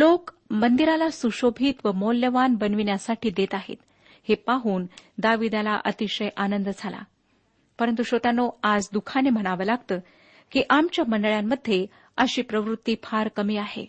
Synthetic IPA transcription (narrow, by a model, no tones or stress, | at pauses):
lokmənd̪iɾalasuɕobʱiːt̪ʋəmoljəʋanbənʋiɳjasaʈʰiːd̪et̪aɦḛt̪ | hepaɦuːnd̪aʋid̪ala̰ʔət̪iɕəjʔanənd̪d͡zʱala̰ | pəɾənt̪̬uɕot̪anːoad͡zd̪ukʰanem̤əɽ̃aʋəːlaɡt̪əː | kiːʔamt͡ɕjaməɳɖəɭjamːəd̪ʱːje | əɕiːpɾəʋɾut̪ːiːpʰaɾkəmiːaɦḛ